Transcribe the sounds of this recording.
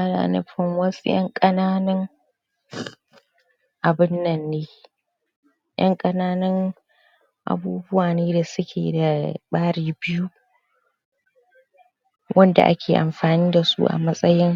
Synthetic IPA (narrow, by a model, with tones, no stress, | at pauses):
a˦la̰˨nɪ̰˦ɸɪ˨ŋwɐ˦su˦jɐ̰˦ŋkʼɐ˦naː˦nɐ˦ŋ | ʔa˨bɪ˦nːɐ˨nːeː˦ | jɐ̰˦ŋkʼɐ˦naː˦nɐ˦ŋ | ʔa̰˨buː˦bʊ˦waː˨neː˦da˨sʊ˦kʲʰḛː˨da˨ɓaː˦ɽiː˨bɪ˦ju˦ | wʔɐ˦nda̰˨ʔa̰˦kʲʰeː˨ʔa̰˨mɸaː˨niː˦da˨sṵ˦ʔa̰˨mɐ˦sʼɐ˦jɪ˦ŋ